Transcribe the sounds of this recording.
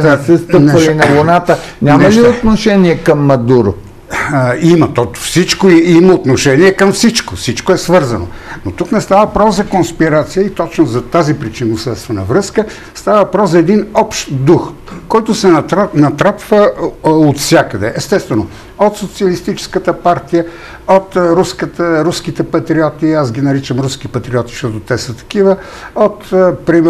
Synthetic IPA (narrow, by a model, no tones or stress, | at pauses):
asɛst̪ənp̪ɛvɐlinɐvonat̪ənʲamɐliot̪noʃɛniɛkɐmːɐd̪uɾo̰ | imɐt̪ɔfsit͡ʃkoiiməot̪noʃɛniɛkɐmfsit͡ʃkofsit͡ʃkoɛsvɤɾzɐno̰not̪uknɛst̪avəpɾɔfzɐkonspiɾat̪sijəit̪ɔt͡ʃnozɐt̪azipɾit͡ʃinosət̪st̪vɐnɐvɾɤskə | st̪avəpɾɔszɐɛd̪inɔpʃt̪d̪ux | kɔjt̪ʊsɛnɐt̪ɾapvəot̪fsʲjakəd̪ɛ̰ʔɛst̪ɛst̪vɛno | ot̪sot̪siəlist̪it͡ʃɛ̥skət̪əpaɾt̪ijə | ot̪ɾuskət̪əɾusk̟it̪ɛpɐt̪ɾiɔt̪iasɡʲinɐɾit͡ʃəmɾusk̟ipɐt̪ɾiɔt̪i̥ʃt̪ɔt̪ʊt̪ɛsət̪ɐ̥kivə | ot̪pɾim